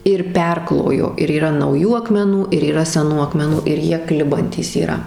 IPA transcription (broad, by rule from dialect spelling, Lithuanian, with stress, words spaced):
ɪr ˈpʲɛrklˠoːjoː ɪr iːˈrɐ nɐʊˈjuː ɐkmʲɛˈnuː ɪr iːˈrɐ sʲɛˈnuː ɐkmʲɛˈnuː ɪr ˈjiɛ ˈklʲɪbɐnʲtʲiːs iːˈrɐ